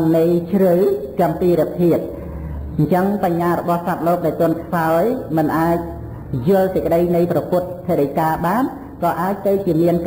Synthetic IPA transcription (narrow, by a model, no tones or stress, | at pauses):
nnɨjt͡ɕʰrɨwkăəmpiːɾɛəp̪ʰiət̪̚ | ɲt͡ɕəŋpaɲːaːɾɔɓɑhsap̪̚loːk̚ɗaɛlt̪ʊ̆ənk̪ʰsaɔjmɨnʔaːc̚ | jʊ̆əlsəc̚kə̆ɗəjnɨjprɑpʊ̆ət̪̚pʰːeɗəjkaːɓaːn | kɑːʔaːc̚t̪ɨwt͡ɕiəmiənk